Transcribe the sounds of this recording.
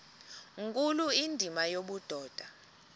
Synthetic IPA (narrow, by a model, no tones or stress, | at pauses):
ŋkʼuluindʱimajoɓud̥ʱɔːd̥ʱa